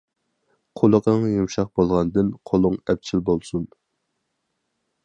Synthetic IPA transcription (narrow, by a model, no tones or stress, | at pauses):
qʰolˠəqəŋjumʃɑq̚bolˠʁɑnd̪ɨnqʰolˠʊŋɛp̚t͡ʃʰilbolˠsun